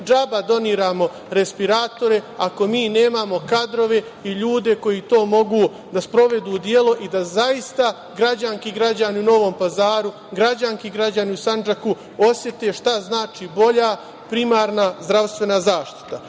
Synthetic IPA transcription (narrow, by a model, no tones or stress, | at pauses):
d͡ʒabad̪o̞niːɾaːmo̞ | ɾe̞spiɾaːt̪o̞ɾe̞ako̞miːne̞ːmamo̞kad̪ɾo̞ʋe̞ | iʎuːd̪e̞ko̞jit̪o̞ːmo̞ɡuː | d̪aspɾo̞ʋe̞d̪uːd̪je̞lo̞ʔid̪azaist̪a | ɡɾad͡ʑankiɡɾad͡ʑaniuno̞ʋo̞ːmpazaːɾu | ɡɾad͡ʑaŋkiɡɾad͡ʑaniusand͡ʒaku | o̞sje̞t̪e̞ʃt̪aznaːt͡ʃibo̞ʎa | pɾimaːɾnazd̪ɾaʋst̪ʋe̞nazaːʃt̪i̥t̪a